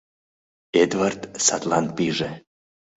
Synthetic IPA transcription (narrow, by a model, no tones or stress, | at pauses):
ed̪vart̪sat̪lan̚piʒe